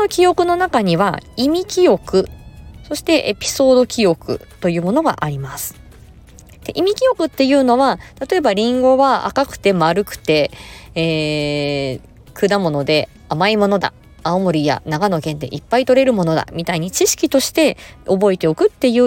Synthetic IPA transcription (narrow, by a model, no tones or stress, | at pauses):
nokʲijo̞kɯ̟no̞nakaɲ̟iβa̰imʲikʲijo̞kɯ̟so̞ɕi̥t̪e̞ʔḛpʲi̥so̞ːd̪o̞kʲio̞kɯ̟̰t̪o̞jɯ̟ːmo̞no̞ɡa̰ʔaɾʲimasɨ̥ | d̪̥e̞̰ʔimʲikʲijo̞kɯ̟t̪ːe̞jɯ̟ːno̞βat̪at̪o̞e̞baɾʲĩŋɡo̞βaa̰kakɯ̟̥t̪e̞maɾɯ̟kɯ̟̥t̪e̞eː | kɯ̟d̪amo̞no̞d̪e̞ | amaimo̞no̞d̪a̰ | aomo̞ɾʲija̰naɡano̞kẽ̞nd̪e̞̰ʔipːait̪o̞ɾe̞ɾɯ̟mo̞no̞d̪a̰mʲit̪aiɲ̟it͡ɕiɕi̥kʲit̪o̞ɕi̥t̪e̞o̞bo̞et̪e̞o̞kɯ̟t̪ːe̞jɯ̟ː